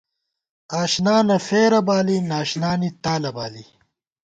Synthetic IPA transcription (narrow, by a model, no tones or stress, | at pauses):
aːʃnaːnɐfeːɾɐbaːlinaːʃnaːnit̪aːlɐbaːli